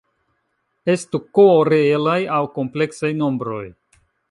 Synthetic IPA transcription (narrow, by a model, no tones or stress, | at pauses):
e̞stukoɾeelajawko̞mple̞ksajno̞mbɾo̞̰j